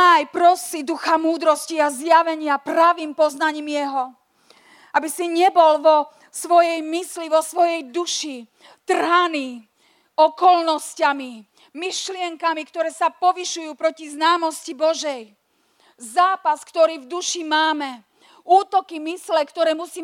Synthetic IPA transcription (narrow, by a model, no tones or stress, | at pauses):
ajpɾɔsid̪uxamuːd̪ɾɔsciazjaʋɛɲɪapɾaʋiːmpɔznaɲiːmjɛɦɔ | abisiɲɛbɔlʋɔ | sʋɔjɛjmisliʋɔsʋɔjɛjd̪uʃi | t̪r̩ɦaniː | ɔkɔlnɔscami | miʃlɪɛŋkamikt̪ɔɾɛːsapɔʋiʃujuːpɾɔciznaːmɔscibɔʒɛj | zaːpaskt̪ɔɾiːvd̪uʃimaːmɛ | uːt̪ɔkimislɛkt̪ɔɾɛːmusiː